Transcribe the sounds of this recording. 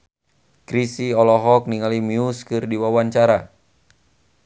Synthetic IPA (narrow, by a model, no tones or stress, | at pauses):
kɾisiɔlɔɦɔk̚niŋalimiuskɨrdiwawaɲt͡ʃaɾa